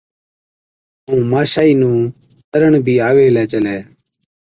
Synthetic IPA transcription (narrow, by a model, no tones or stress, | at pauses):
ũːmaːʃaːiːnũː | t̪əɾəɳ̃bʱiːaːʋeːlɛːt͡ʃəlɛː